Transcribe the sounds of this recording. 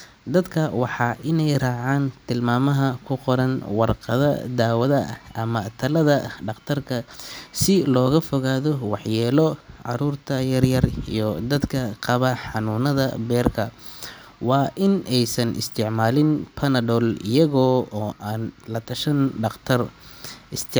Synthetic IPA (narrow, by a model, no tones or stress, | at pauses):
d̪ɐd̪kʰɐwɑħɑːʔɪnɛjraːʕaːnt̪ʰɪlmaːmɐɦɐkʰʊqɔɾɐnwɑrqɑðɐd̪aːwɐðɐʔɐmɐt̪ʰɐlɐðɐɖɑqt̪ʰɐrkʰɐsɪlɔːɣɐfɔɣaːðɔwɑħjɛːlɔʕɑɾuːrt̪ʰɐjɐrjɐrḭjɞd̪ɐd̪kʰɐqɑβɐħɑnuːnɐðɐ̰bɛːrkʰɐ | wɑːʔɪnɛjsɐnʔɪ̰st̪ʰɪʕmaːlɪnpʰɐnɐdɔːlɪjɐɣɔːɔːʔaːnlɐt̪ʰɐʃɐnɖɑqt̪ʰɐrɪst̪ʰɪ